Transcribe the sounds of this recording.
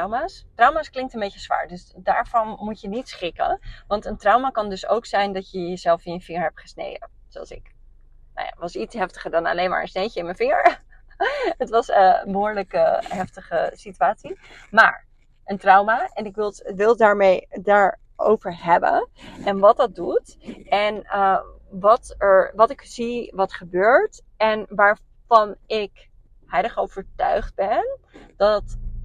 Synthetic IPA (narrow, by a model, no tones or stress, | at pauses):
wmaːstrʌwmaːsklɪŋk̚tənbejcəzʋa̰ːɹdøsdaːɹv̥ɑnmucjənitsχɪkə̰nʋɑntəntrʌwmaːkɑndɵso̰wksɛjndɑcjəjəzɛlˠfɪnjəfɪŋəɹɦɛp̚tχəsnḛjdə̰n | sowɑ̰lˠsɪ̰k | na̰wja̰ʋɑsitsɦɛftə̥χəɹdɑna̰lejnma̰ːɹə̰nsnejcəɪnmənfɪŋəɹ | ətʋɑsəbəɦʊːɹləkəɦɛftəχəsityaːtsi | ma̰ːɹ | ʔəntrʌwmaːʔɛnɪkʋɪlˠʋɪlˠdaːɹmejdaːɹ | o̰wvəɹɦɛbə̰nʔɛnʋɑt̚dɑt̚dut | ɛn | ʋɑtɛɹʋɑtɪkz̥iʋɑtχəbøːɹt | ɛnʋaːɹ | vɑnɪk | ɦɛjdəχowv̥əɹtœ̰ɥχd̚bɛn | d̥ɑt